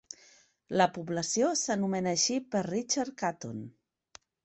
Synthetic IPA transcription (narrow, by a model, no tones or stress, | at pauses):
ləpubləsiosənumenəʃipərrit͡ʃaɾkat̪on